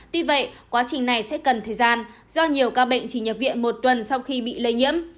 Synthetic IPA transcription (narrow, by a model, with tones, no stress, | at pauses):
t̪wi˧və̰˧˨jkwaː˨˦t͡ɕï˨˩ŋna˨˩jsɛ̰˧˥kə˨˩nt̪ʰəː˨˩jzaː˧n | zɔ˧ɲi˨˩əwkaː˧ɓə̰˧˨jŋ̟t͡ɕi˨˩ɲə˨˩p̚vḭ˧˨ənmo˨˩t̚t̪wə˨˩nsa˧wxi˧ɓḭ˧˨le˧jɲḭ˧˥əm